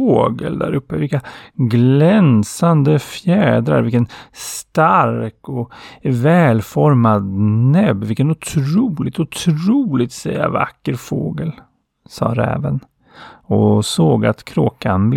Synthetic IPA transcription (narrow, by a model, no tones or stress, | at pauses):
oːɡə̰ld̪æ̰ɾɵpːəvɪlkːaɡlɛnsand̪əfjɛːd̪ɾa̰ɾvɪlkənst̪aɾkɔvɛːlfɔɾmad̪nɛbvɪlkənʊt̪ʰɾuːlɪt̪ʊt̪ʰɾuːlɪɡ̚t̪sɛja̰va̰kːəɾfoːɡəl | sɑ̰ːɾɛ̰ːvən | ɔsoːɡa̰t̪kʰɾoːkanb̪